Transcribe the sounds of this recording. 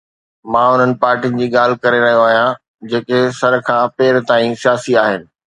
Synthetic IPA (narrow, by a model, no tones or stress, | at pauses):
mãːʊn̤ənɪ̆paːɾʈinɪ̆d͡ʑiːɠaːl̤ɪkɐɾeɾɐɦijoaːɦijã | d͡ʑeːkesɐɾkʰãːpeːɾt̪aːĩsijaːsiaːɦɪnɪ̆